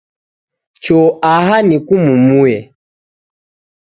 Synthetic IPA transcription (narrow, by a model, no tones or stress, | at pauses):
t͡ʃɔaɦanikumumuɛ